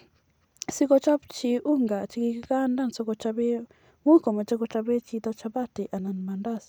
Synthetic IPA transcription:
si˦kɔ˦t͡ʃa˦bt͡ʃi˨ʔu˦ŋɡa˨t͡ʃi˧ki˧ki˦ka˦nda˦nsɔ˦kɔ˧t͡ʃa˦βɛ˦ | ŋwi˦kɔ˨ma˨t͡ʃa˦kɔ˧t͡ʃa˧βɛ˦t͡ʃi˦t̪a˦t͡ʃa˦βa˦ti˨ʔa˨na˨ni˨ma˨nda˦˨s

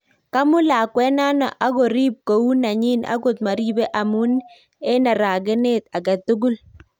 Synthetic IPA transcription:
ka˦mʊ˦la˨kwɛ˦na˦nɔ̰˨ʔa˦ɡɔ˨ɾi˦p̚ko˨u˦na˨ɲi˦nʔa̰˦ɡʊ˨t̪̚ma˨ɾi˦bɛ˦ʔa˨mu˦n | e˦na˨ɾa˨ɡɪ˦ne˦t̪a˨ɡa˨t̪ʊ˦ɡʊ˦l

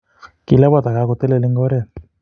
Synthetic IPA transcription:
ki˨la˦ba˦t̪a˨ka˨˦ko˧˨t̪e˦le˨le˦ŋɡɔ˦ɾe˦˨

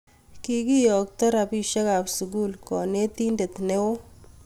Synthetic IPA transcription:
ki˦ki˦jɔ˨k̚tɐ˦ɾa˨pi˨ʃe˦ka˨psu˨ɡ̬u˦lkɔ˨ne˦t̪i˦nde˨t̪ne˦wo˦

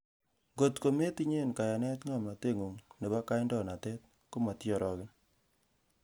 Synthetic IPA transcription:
ŋɡo˨tko˨me˦ti˦ɲe˦˨nka˨ja˨nɛ˦tŋa˨mna˨te˦˨ŋu˨ŋne˨ba˦ka˦ɪ˦ndɔ˦˨na˨tɛ˦t̚ | ku˦ma˨tjɔ˨ɾɔ˨kɪ˦n

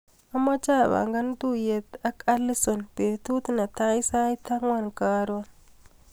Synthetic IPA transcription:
a˦ma˦t͡ʃa˦˨ba̰˨ŋɡa˦ndu˦je˨t̪a˦ka˦lːi˦so˨nb̥e˨t̪u˦t̪na˨t̪a˦i˦sa˦i˦t̪a˦ŋwa˦˨nkaː˦ɾwa˦n

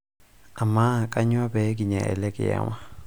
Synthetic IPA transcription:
a˨ma˦˨kʼa˦ɲwa˦bɛ˨˦k̬i˨ɲa̰˨ʔɛ̰˨lɛ˦kɛ˨ja̰˨wa˦

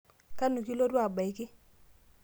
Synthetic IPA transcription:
ka˦nu˨ki˦lo˦dwa˨ba˨jkɪ˦

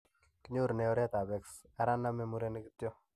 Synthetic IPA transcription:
ki˦ɲo˦ɾnɛɔ˦ɾjɛ˦t̪a˨bɛ˨ks | a˦ɾa˦nːa˦mɛ˦muɾe˦ni˦ki˦tjo˦

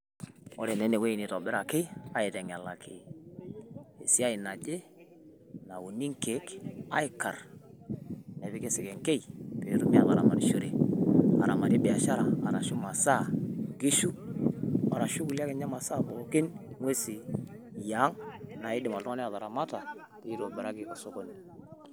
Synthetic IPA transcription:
ɔ̰˦ɾɛ˨nɛ˨˦ne˨we˦i˨ni˨tɔ˨bɪ˦ɾa˨kɪ˦a˦ɪ˨tɛ˨ŋ˨a˨la̰˨kʰɪ̰˨ | e˨si˦a˦ɪ˨na˨d͡ʒe˦ | na˨wu˨ni˦ŋke˨˦ka̰˦ɪ˨ka̰˨r | nɛ˨βɪ˦ke˦sɪ˨kɛ˨ŋke˦i˨pe˨˦ɾu˦mi˦a˨ða˨ɾa̰˨ma˨ɾʃo˦ɾe˨a̰˨ɾa̰˨ma˨ɾi˦bɛ˨a˨ʃa˦ɾa˨a˨ɾa˨ʃu˦ma˨sa˦˨ɡi˦ʃu˦ | ma˨ɾa˨ʃu˦ku˨li˦a˦ke˨ɲa˦ma˨sa˦bo˨˦kɪ˦nŋwe˦si˨ | ja˨˦ŋna˨i˦dɪ˨ma˨ltu˦ŋa˦ni˦a˨ða˨ɾa˨ma˦ta˨ | ti˦i˦ɾo˨bɛ˨ɾa˦ɡi˨˦ko˨so˦ko˦ni˨

